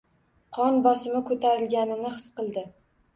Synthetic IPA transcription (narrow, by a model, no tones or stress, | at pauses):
qʰɒnbɒsɪmɪkʰɵt̪ʰaɾɪlɡʲanɪnɪχɨsqɨlˠd̪ɪ